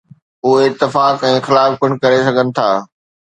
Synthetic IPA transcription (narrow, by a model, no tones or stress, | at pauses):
ʊɦeɪt̪ːɪfaːkɛ̃ːxɪlaːfkʊɽ̃̆kɐɾesɐɡʱənɪ̆t̪ʰa̰ː